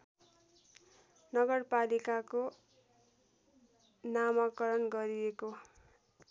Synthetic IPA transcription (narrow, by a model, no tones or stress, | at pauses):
nʌɡʌrpalikako | namakʌɾʌnɡʌɾieko